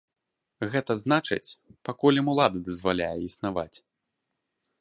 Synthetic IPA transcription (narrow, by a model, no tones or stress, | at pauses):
ɣɛt̪ɐznat͡ʂɨ̰t͡sʲpakulʲɐmulˠad̪ɐd̪ɐzvalʲa̰jɛisnava̰t͡sʲ